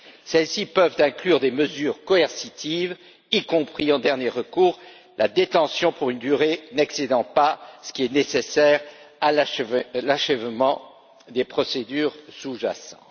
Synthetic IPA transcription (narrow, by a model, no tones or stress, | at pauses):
sɛlsipœvt̪ɛ̃klyʁd̪eməzyːʁkɔɛʁsit̪iv | ikɔ̃pχiɑ̃d̪ɛʁnjeʁəkuːʁ | lʔad̪et̪ɑ̃sjɔ̃puʁynd̪yʁenɛksed̪ɑ̃pasə̥kʲiɛnesesɛʁalalaʃɛvmɑ̃ | d̪epχɔsed̪yʁsuʒa̰sɑ̰̃